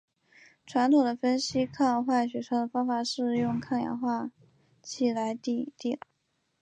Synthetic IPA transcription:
ʈ͡ʂʰwa˧˥nt̪ʰʊ˨˩ŋd̪ə˦fə˥nɕi˥kʰa˥˩jɑ˧˥xwa˥˩ɕ̬ɥɛ˧˥ʂɑ˥d̪ə˨fɑ˥ŋfa˨˩ʂɻ̩˥˧jʊ˥˧ŋkʰa˥˩ŋjɑ̰˧˥ŋxwa˥˩ | t͡ɕʰi˥˨˩la˧˥ɪt̪i˥˧t̪i˥˩

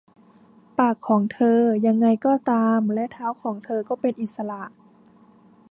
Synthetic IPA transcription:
paː˨˩kʰːɔː˩˦ŋt̪ʰɤː˧ja˧ŋːa˧jkɔː˧˩t̪aː˧mlɛ˦˥ʔt̪ʰaː˧˥˩wkʰɔː˩˦ŋt̪ʰɤː˧kɔː˥˩pe˧nʔi˨˩t̪̚sa˧la˧ʔ

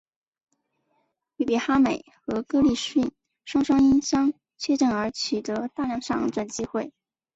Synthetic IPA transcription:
ly˥˩pi˨˥˩xa˥me˨˩ɪxɤ˧˥kɤ˥li˥˩ʂi˥˩n | ʂwɑ˥ŋʂɑ˥ŋi˥nɕjɑ˥ŋ | t͡ɕʰɥɛ˥˧ʈ͡ʂə˥˩nə˞˧˥t͡ɕʰy˨˩t̪ɤ˧˥t̪a˥˧ljɑ˥˧ŋʂɑ˥˩ŋʈ͡ʂwa˨˩nt͡ɕi˥xwe˥˩ɪ

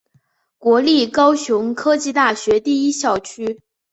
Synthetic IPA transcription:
kwɔ˧˥li˥˩kɑ˥ʊɕjʊ˧˥ŋkʰɤ˥t͡ɕi˥˧t̪a˥˩ɕɥɛ˧˥t̪i˥˩i˥ɕjɑ˥˨˩ʊt͡ɕʰy˥

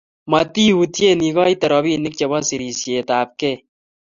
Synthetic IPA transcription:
ma˨ti˦u˨tje˦˨ni˨kɔ˦i˦tɛ˨ɾɔ˨bi˦nɪ˦k̚t͡ʃɛ˨ba˦si˨ɾi˨sje˨taː˨p̚ke˦˨

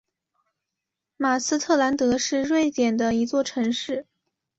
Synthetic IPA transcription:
ma˨˩sɹ̩˥t̪ʰɤ˥˩la˧˥nt̪ɤ˧˥ʂɻ̩˥˧ɻwe˥˩ɪt͡ɕ̪jɛ˨˩nd̪ə˦i˧˥t͡swɔ˥˩ʈ͡ʂʰɤ˧˥ŋʂɻ̩˥˩

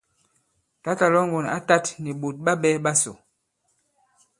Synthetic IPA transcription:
ta˦ta˨lɔ˦ŋ˨ɡo˨na̰˦ta˦tni˨ɓo˨t̚ɓa˦ɓɛ˦ɓa˦so̰˨

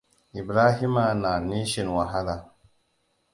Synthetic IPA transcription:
i˨bɾa˦ɦi˦ma˨na˨ni˦ʃi˨nwa˨ɦa˦la˨

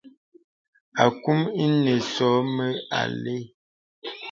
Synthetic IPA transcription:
a˨ku˦mi˦ne˨sɔ˨˦mə˦a̰˨le˦

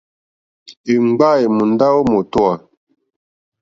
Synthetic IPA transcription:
e˨ŋ͡mɡ͡ba˦˨e˨mu˨n˦da˦wo˦mo˨tɔ˦a˨

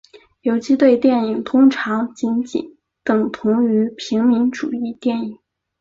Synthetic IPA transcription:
jo˧˥ʊt͡ɕʰi˥t̪we˥˧ɪt̪jɛ˥˩ni˨˩ŋt̪ʰʊ˥ŋʈ͡ʂʰɑ˧˥ŋt͡ɕi˧˥nt͡ɕḭ˨˩n | t̪ɤ˨˩ŋt̪ʰʊ˧˥ŋy˧˥pʰi˧˥ŋmi˧˥nʈ͡ʂu˨˩i˥˧t̪jɛ˥˩ni˨˩˦

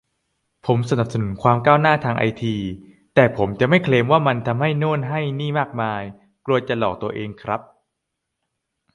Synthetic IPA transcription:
pʰo˩˦msa˧na˨˩p̚sa˧nu˩˦nkʰwaː˧mkaː˥˩wnaː˥˩t̪ʰaː˧ŋʔa̰˧jt̪ʰiː˧ | t̪ɛː˨˩pʰo˩˦mt͡ɕa˨˩ʔma˥˩jkʰleː˧mwaː˥˩ma˧nt̪ʰa˧mha˥˩jnoː˥˩nɦa˥˩jniː˥˩maː˥˩k̚maː˧j | klu˧ɐt͡ɕa˨˩lɔː˨˩k̚t̪u˧ɐʔeː˧ŋkʰɾa˦˥p̚

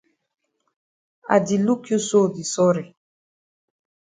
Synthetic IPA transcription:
a̰˨di˨lu˦kju˦so˦˨di˨sɔ˦ɾi˨

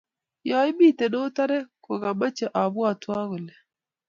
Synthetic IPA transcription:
ja˨˦i˦mi˦˨tɛ˨no˦ta˦ɾɛ˦ko˨ɣa˨ma˦t͡ʃɛ˨ʔa˨βwa˨twa˦ɣʊ˨lɛ˨

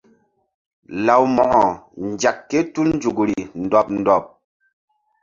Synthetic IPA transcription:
la˨wmɔ˨ʔɔ˨n˨d͡ʒa˨kːe˦tu˦ln̩˦d͡ʒu˨kɾi˨n̩˨dɔ˨p̚n̩˨dɔ˨p̚

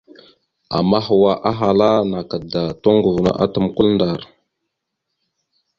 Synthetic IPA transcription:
a̰˨ma˦ɦwa˨ʔa˦ɦa˨la˦na˨ka˨da˨to˦ŋɡu˨vna̰˨ʔa̰˦tə˨mku˦lnda˨ɾ

